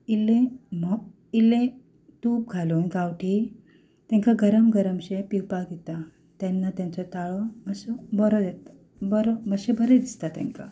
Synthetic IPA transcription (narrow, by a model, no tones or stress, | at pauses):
ilẽmɔ | ilẽ | t̪uːp̚ɡʱalonɡawʈʰi | t̪ɛ̃ŋkaɡəɾəmɡəɾəmɕepiwpaɡet̪a | t̪janːat̪jãnt͡sɔt̪aɭɔməsɔbəɾɔd̪ɛt̪ | bəɾɔməɕebʱəɾed̪ist̪at̪ɛ̰̃ŋka̰